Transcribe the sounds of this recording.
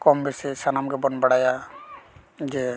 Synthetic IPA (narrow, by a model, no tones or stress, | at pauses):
kɔmbɛsɛsanamɡɛbɔnbaɽaja | d͡ʒɛ